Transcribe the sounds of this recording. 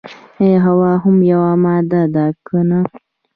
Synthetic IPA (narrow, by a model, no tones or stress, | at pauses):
eɦawɑːɦʊmjawamɑːd̪ad̪akʰəna